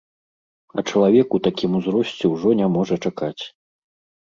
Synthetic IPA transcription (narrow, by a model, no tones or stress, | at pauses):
ɐt͡ʂɐlˠavʲɛkut̪akʲimuzɾɔsʲt͡sʲɛwʐɔnʲamɔʐɐt͡ʂakat͡sʲ